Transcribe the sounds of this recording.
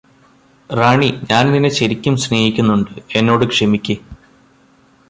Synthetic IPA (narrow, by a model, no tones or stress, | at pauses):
raːɳiɲaːnninːeɕɐɾikʲːumsne̞ːjikʲːunːuɳɖɨe̞nːo̞ːɽɨkʂemikʲːi